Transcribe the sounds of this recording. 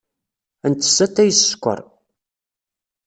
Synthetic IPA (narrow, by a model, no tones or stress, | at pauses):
ənt̪ːə̥sːæt̪ːæjəsskʷːə̰ɾˤ